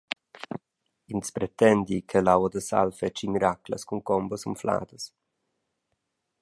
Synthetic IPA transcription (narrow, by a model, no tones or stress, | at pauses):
inspɾɛt̪ɛnd̪ikʰəlawəd̪əsa̰lfɛt͡ʃimiɾaklə̰skuŋkɔmbəsumfla̰ːd̪əs